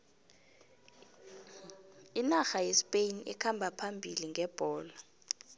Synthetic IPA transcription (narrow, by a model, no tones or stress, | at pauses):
inaxajɛspʼejnɛ̰kʰambʱapʰambʱiliŋʱɛb̥ʱɔːla